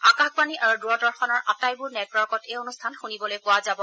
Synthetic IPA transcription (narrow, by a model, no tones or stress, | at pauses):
akaxbaniʔaɹudʊɔdɔɹxɔnɔɹʔatajbʊɹnɛtwɔɹkɔtejonustʰanxunibɔlojpʊwazabɔ